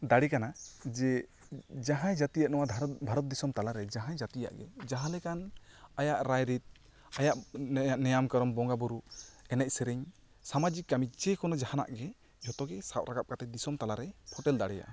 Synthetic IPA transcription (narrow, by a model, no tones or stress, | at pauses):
d̪aɽikanad͡ʒɛ | d͡ʒaɦãjd͡ʒat̪ijaʔnɔwad̪ʱbʱaɾɔt̪̚d̪isɔmt̪alaɾɛd͡ʒaɦãjd͡ʒat̪ija̰ʔɡɛ̰d͡ʒaɦãlɛkanajaʔɾajɾit̪̚ | ajaʔnɛjamkɔɾɔmbɔŋɡabɔɾuɛnɛc̚ˀsɛɾɛɲ | samad͡ʒikːamid͡ʒɛkɔnɔd͡ʒahana̰ʔɡɛ | ɔt̪ɔɡɛsapɾaɡap̚kat̪ɛd̪isɔmt̪alaɾɛpʰɔʈɛld̪aɽɛja̰ʔ